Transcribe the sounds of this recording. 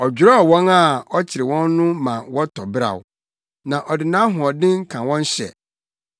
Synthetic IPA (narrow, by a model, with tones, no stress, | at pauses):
ɔ˨d͡ʑᶣɾɔ˦ɔ˨wɔ̃˦na˦˨ɔ˦t͡ɕʰɪ˨ɾɪ˨wɔ̃˦nːʊ̃˦mã˨wɔ˦tʰɔ˨bɪ˦ɾa̰˨w̰ | nã˨ʔɔ˨dɪ˨nã˦ɦʊ̃˨ɔ˨dɪ̃˦ŋ̩˦kʰã˨wɔ̃˦n˦ɕɛ̰˨